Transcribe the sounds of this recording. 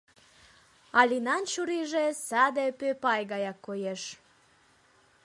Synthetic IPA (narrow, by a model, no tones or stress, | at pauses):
alinant͡ɕuɾiʒesad̪epepajɡajakːojeʃ